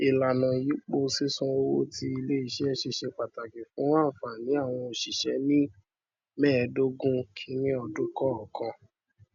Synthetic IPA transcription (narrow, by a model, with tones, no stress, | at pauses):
i˨la˨nã˨ji˨˦k͡po˧si˦sũ˦o˧wo˦ti˦i˧le˦i˦˨ʃe˦ɛ˦ʃe˧ʃe˧k͡pa˨ta˨ki˨fũ˨˦wã˦˨fa˨nĩ˨˦a˦˨w̃ɔ̃˧o˨ʃi˨ʃɛ˨˦nĩ˦ | mɛː˦˨˧do˦ɡũ˦kʰi˦nĩ˦ɔ˧dũ˦kɔ˦ɔ˨kã˧